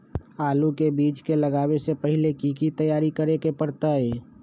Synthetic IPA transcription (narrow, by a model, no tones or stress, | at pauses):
aːlukebit͡ʃkeləɡabesepəɦilekikit̪əjaɾikəɾekepəɾt̪əe